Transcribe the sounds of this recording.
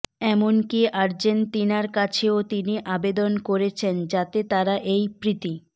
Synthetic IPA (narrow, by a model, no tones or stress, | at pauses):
ɛmonkiʔaɾd͡ʑent̪inaɾkat͡ɕʰeot̪iniʔabed̪onkoɾet͡ɕʰend͡ʑat̪et̪aɾaʔejpɾit̪i